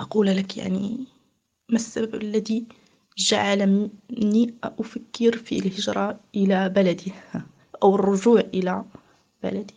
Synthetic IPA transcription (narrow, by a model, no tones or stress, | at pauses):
ʔɑquːllakja̰ʕni | masːababʔalːaði | d͡ʒaʕalaniʔʊfakːɪɾfilhɪd͡ʒɾˤɑʔɪlabalad̪i | ʔawɪrˤːʊʒuːʕʔɪla | b̥a̰lad̪i̥